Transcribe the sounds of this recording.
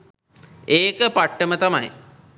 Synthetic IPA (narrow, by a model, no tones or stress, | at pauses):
eːkəpaʈːəmət̪ama̰j